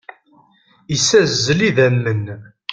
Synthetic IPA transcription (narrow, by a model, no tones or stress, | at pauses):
isæzːəliðæmːən